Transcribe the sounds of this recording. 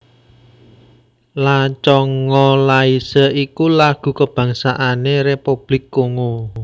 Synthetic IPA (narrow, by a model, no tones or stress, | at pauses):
lat͡ʃɔŋɔlaisəʔikulaɡ̥ṳkəb̥ä̤ŋsaʔanerepub̥lɪkːoŋo